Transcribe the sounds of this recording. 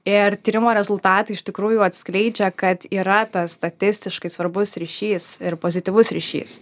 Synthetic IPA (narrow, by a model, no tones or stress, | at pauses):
ɪrt̪ʲiːɾʲɪmoːɾʲɛzʊlˠt̪ɑːt̪ɐɪɪʃt̪ʲɪkɾuːjʊɐt̪ʲsklʲɛɪd͡ʒʲɛkɐt̪iːɾɐt̪ɐsst̪ɐt̪ʲɪsʲt̪ʲɪʃkɐɪsʋɐɾbʊsɾʲiːʃʲiːsɪɾpoːzʲɪt̪ʲiːʋʊsɾʲḭːʃʲḭːs